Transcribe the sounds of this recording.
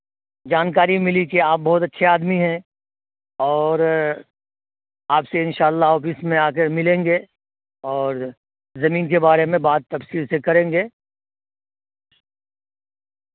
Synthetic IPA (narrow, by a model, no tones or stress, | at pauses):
d͡ʒaːnkaːɾimɪlikeaːp̚bɔɦʊt̪ɐtːʃʰeaːd̪miɦɛ̃ | ɔːɾ | aːpseɪ̃nʃaːlːaɦɔːfɪsmẽaːkemɪlẽːŋɡe | ɔːɾ | zɐmiːnkebaːɾemẽbaːd̪̚t̪ːɐfsiːɾsekɐɾẽːŋɡeː